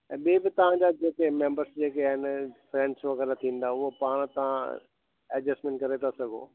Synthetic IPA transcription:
ɛ̃ːɓeːbɪt̪ɐʋ̤ãd͡ʑaːd͡ʑeːkemẽːmbəɾsd͡ʑeːkeɪnfɾɛ̃ːɳɖsʋɐɣɛːɾat̪ʰĩːn̆d̪aʊɦopaːɽ̃t̪ɐʋ̤ã | ɛd͡ʑəsʈmẽːɳʈ̚kɐɾet̪ʰasɐɡʱo̰ː

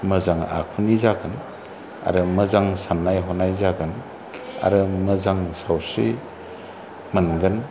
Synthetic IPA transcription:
məzaŋa̰kʰunizaɡɯn | a̰ɾɯmɯzaŋsanːajɦɔnajzaɡɯn | a̰ɾɯməzaŋsawsi | mənɡɯn

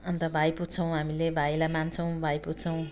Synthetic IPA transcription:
ʌnt̪ʌbʱajputt͡sʰʌw̃ɦamilebʱajlamant͡sʰʌw̃bʱajput͡sʰʌw̃

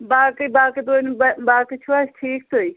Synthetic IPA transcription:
baːkibaːkit̪onbbaːkit͡ʃʰuasʈʰiːk̚t̪oi

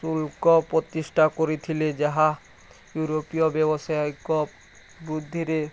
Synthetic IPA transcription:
sulkɔpɾot̪iʃʈʰakoɾet̪ʰiled͡ʑaɦa | juɾopiobɛboʃajɡo | bɾud̪ʱːiɾe

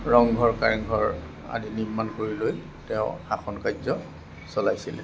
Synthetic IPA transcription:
ɹɔŋɡʱɔɹkaɹiŋɡʱɔɹ | a̰diniɹmankoɹiloj | tɛʊ̃axʰɔnkazɔ | sɔlajsilɛ̰

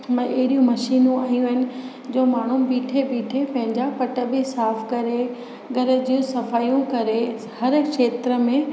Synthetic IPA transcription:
mɐ̃ʔɐɦɪɗijũmɐʃiːnũaːjũɦɪnɪ̆ | d͡ʑoːmaːɳ̤ubiːʈʰebiːʈʰepɐ̃ɦɪ̃ɲd͡ʑapɐʈə̆bɪsaːfkɐɾe | ɡɐɾə̆d͡ʑiːũsɐfaːijũkɐɾe | hɐɾkʃeːt̪ɾə̆mẽ

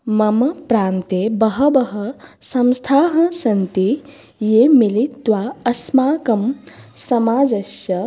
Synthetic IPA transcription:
mɐmɐpɾaːnt̪ebɐɦɐbɐɦɐsɐ̃mst̪ʰaːɦɐ̃sɐnt̪i | jemilit̪ːwaːɐsmaːkɐm | sɐmaːd͡ʒɐʃjɐ

